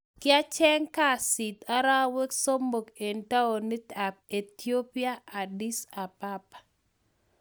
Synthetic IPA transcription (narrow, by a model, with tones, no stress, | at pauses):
kɪ˦a˦t͡ʃɛ˦ŋka˦˨si˨t̪a˦ɾa˦we˦kso˦mbo˨ke˨nta˦o˨ni˦t̪a˨p̚e˨t̪io˦pi˦a˦ʔa˨di˦sa˨pa˦pḁ˨